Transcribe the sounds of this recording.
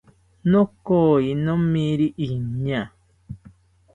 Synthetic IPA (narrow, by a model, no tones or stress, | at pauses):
nõkoinõmĩɾiʔiɲã